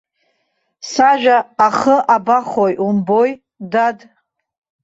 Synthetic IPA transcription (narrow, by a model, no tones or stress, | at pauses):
saʒᶣaːχəʔabaχojʔumboj | dad